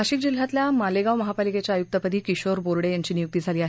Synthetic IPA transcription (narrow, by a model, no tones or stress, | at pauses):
aɕiːkd͡ʑil̤ːat̪ljamaleɡaʋməɦapaliket͡ɕjaːjuk̚t̪əpəd̪ʱiːkiɕoɾboɾɽejaɲt͡ɕiːnijukt̪id͡zʱaliːaɦe